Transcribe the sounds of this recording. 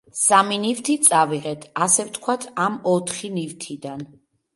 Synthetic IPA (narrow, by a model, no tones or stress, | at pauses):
saminivt̪ʰit̪sʼaviʁɛt̪ʰasɛft̪ʰkʰwat̪ʰamɔt̪ʰχinivt̪ʰid̪an